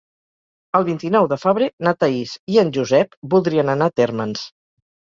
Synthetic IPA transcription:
əlˠβint̪inɔwðəfəβɾenat̪əisiənʲʒuzɛpbulˠd̪ɾiənənat̪eɾməns

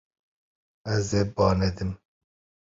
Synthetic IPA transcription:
ɐzebɑːned̪ɪm

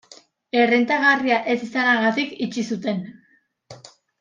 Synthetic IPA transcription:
e̞rent̪aɣariaʔe̞sisanaɣat̪ikit͡ʃisut̪e̞n

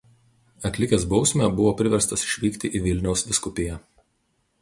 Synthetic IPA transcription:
ɐkʲlʲɪkʲeːsbɒʊsʲmʲɛbʊʋoːpʲɾʲɪʋʲɛɾst̪ɐsɪ̥ʃʲʋʲiːkʲt̪ʲɪʔiːʋʲɪlʲnʲɛʊsd̪ʲɪskʊpʲɪjɛ

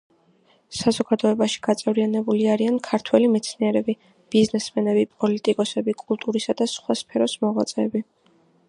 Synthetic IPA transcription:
sazɔɡad̪ɔɛbaʃi̥ɡ̥at̪sʼɛvɾianɛbuliaɾiankʰaɾt̪ʰwɛlimɛt̪sʰniɛɾɛbi | b̥iznɛsmɛnɛbipʼɔlit̪ʼikʼɔsɛbikʼulˠt̪ʼuɾisad̪asχwaspʰɛɾɔsmɔʁwat̪sʼɛːbi

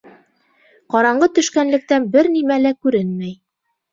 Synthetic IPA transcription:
qɒɾɑɴɢɤt̪ɵ̆ʃkænlɘ̆k̚t̪ænbɘɾnimælækʉɾɘnmæj

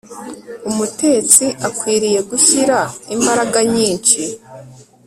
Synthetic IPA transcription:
umute̞ːt͡siʔakwiːɾije̞ɡuçiɾaimbaɾaɡaɲiːnt͡ʃi

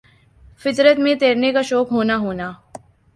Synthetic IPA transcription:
fɪt̪ɾət̪mẽt̪eːɾnekaʃɔːkɦoːnaɦoːnaː

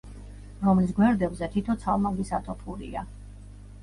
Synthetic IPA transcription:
ɾɔmlisɡwɛɾd̪ɛbzɛt̪ʰit̪ʰɔt̪sʰalˠmaɡisat̪ʰɔpʰuɾḭa

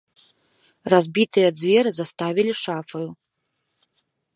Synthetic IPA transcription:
razbʲit̪ʰɨjɐd͡zvʲeɾɨzast̪avʲilʲiʂafɨju

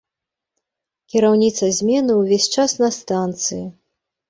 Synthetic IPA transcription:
kʲiɾawnʲit̪sɐzʲmʲɛnɨwvʲesʲt͡ʂasnɐst̪ant̪sɨji

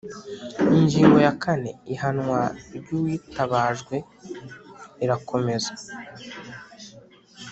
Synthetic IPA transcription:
iɲd͡ʒiːŋɡo̞jakane̞ihanŋwaɾɟuwiːtaβaːʒɡwe̞ | iɾakʰo̞me̞za

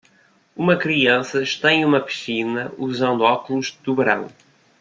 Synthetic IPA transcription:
umɐkɾiɐ̃sɐʃt̪ɐ̃j̃umɐpɨ̥sinɐuzɐ̃nd̪uɔkulˠuʒd̪uβɨɾɐ̰̃w̃

